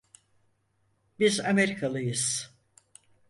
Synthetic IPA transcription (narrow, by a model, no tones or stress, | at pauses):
bizameɾikʰalˠɯjɯz̥